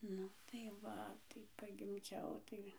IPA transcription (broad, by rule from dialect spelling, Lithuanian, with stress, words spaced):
ˈnʊ tɐɪ ˈʋɐ tɐɪ pɐɡʲɪmʲˈd͡ʒʲɛʊ ˈtɐɪ